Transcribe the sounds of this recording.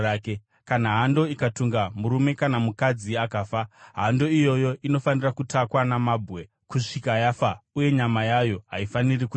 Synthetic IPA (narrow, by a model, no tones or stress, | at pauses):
ake | kanaɦando̞ikatuŋɡamuɾume̞kanamukad͡ziakaːfaɦando̞ijo̞jo̞ʔino̞fanirakutakwanamaːbʱwe̞ | kuʂikajafauje̞ɲamajajo̞ɦa̰ifaniriku